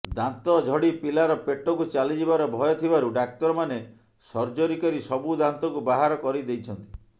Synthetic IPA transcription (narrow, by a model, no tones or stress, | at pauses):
d̪ant̪ɔd͡ʒʱɔɽipilaɾɔpeʈɔkut͡ʃalid͡ʒibaɾɔbʱɔjɔt̪ʰibaɾuɖak̚t̪ɔɾɔmane | sɔɾd͡ʒoɾikɔɾisɔbud̪ant̪ɔkubaɦaɾɔkɔɾid̪ejt͡ʃʰɔnt̪i